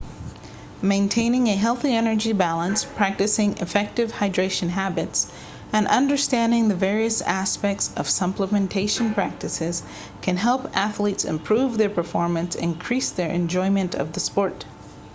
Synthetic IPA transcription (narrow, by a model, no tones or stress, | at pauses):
mẽɪ̃ntʰẽɪ̃nɪ̃ŋɨɦɛlˠθiɛnə˞d͡ʒibælˠə̃nspʰɹ̥æk̚tɨsɪ̃ŋɨ̰fɛk̚tɨv̥haɪdɹeɪʃɨ̃nɦæbɨts | ɨ̃nʔʌ̃ndə˞stæ̃ndɪ̃ŋðɨvɛɹiɨsæspɛk̚tsʌv̥sʌpləmɨ̃ntʰeɪʃɨ̃n̩pʰɹ̥æk̚tɨsɪz̥ | kʰɨ̃nɦɛlˠpæθlitsɨ̰̃mpʰɹ̥uvðə˞pə˞fɔɹmɨ̃nsɪ̰̃nkʰɹ̥isðə˞ʔɨ̰̃nd͡ʒɔ̃ɪ̃mɨ̃ntʰʌ̰vðɨspɔɹt